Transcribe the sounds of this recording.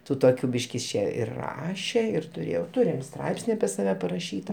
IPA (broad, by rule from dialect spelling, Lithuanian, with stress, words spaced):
ˈtuː toːˈkʲuː ˈbʲiːʃk ɪs ˈt͡ʃʲeː ɪr ˈrɑːʃʲɛ ɪr tʊˈrʲeːjɛʊ ˈtʊrʲɪm ˈstrɐɪpʲsʲnʲɪ ɐpʲiɛ sɐˈʋʲɛ pɐrɐˈʃʲiːtɐ